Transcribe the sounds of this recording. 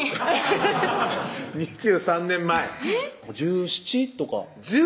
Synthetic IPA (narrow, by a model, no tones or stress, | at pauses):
ɲ̟id͡ʑɨːsãnːẽ̞mːaɛd͡ʑɨːɕi̥t͡ɕit̪o̞ka̰ | d͡ʑɨ